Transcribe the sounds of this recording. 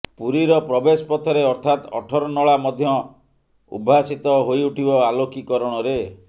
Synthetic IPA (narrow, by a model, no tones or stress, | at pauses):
puɾiɾɔpɾɔbesɔpɔt̪ʰɔɾeɔɾt̪ʰat̪ɔ̰ʈʰɔɾɔnɔɭamɔd̪ʱjɔ | ṵbʱasit̪ɔɦojuʈʰibɔalokikɔɾɔɽ̃ɔɾe